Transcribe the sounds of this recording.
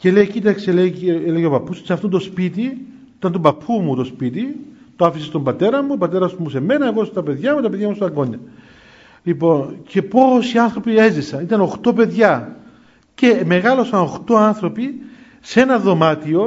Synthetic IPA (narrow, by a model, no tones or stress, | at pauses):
ce̞leicit̪ɐkseleeleʝeopɐpːussɐft̪ont̪ospit̪i | it̪ɐnt̪obɐpʰːumut̪o̞spit̪i | t̪oɐfisest̪ombɐt̪e̞ɾɐmupɐt̪e̞ɾɐzmuse̞me̞nɐeɣo̞st̪ɐpe̞ðʝɐmut̪ɐpeðjʝɐmust̪ɐŋɡo̞ɲːɐ | lipo̞nce̞po̞siɐnθɾo̞pie̞zisɐnit̪ɐno̞xt̪o̞pe̞ðʝɐ | ce̞me̞ɣɐlo̞sɐno̞xt̪o̞ɐnθɾo̞pi | se̞nɐðo̞mɐt̪io̞